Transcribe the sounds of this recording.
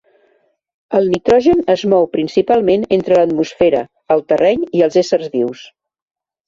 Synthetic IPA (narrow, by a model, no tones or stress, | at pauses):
əlˠnit̪ɾɔʒənəzmɔwpɾinsipalˠmenent̪ɾələt̪musfɛɾə̰ | əlˠt̪ərɛɲiəlˠzesərzðiws